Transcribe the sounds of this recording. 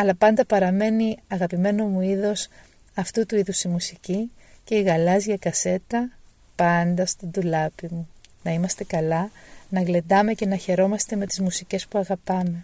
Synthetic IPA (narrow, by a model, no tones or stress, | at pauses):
ɐlɐpɐnd̪ɐpɐɾɐme̞niɐɣɐpime̞no̞muiðo̞s | ɐft̪ut̪uiðusimusici | ce̞iɣɐlɐzʝɐkɐse̞t̪ɐ | pɐnd̪ɐst̪ind̪ulɐpimunɐimɐst̪e̞kɐlɐnɐɣle̞d̪ɐme̞ce̞nɐçe̞ɾo̞mɐst̪e̞me̞t̪i̥zmusice̞spuɐɣɐpɐme̞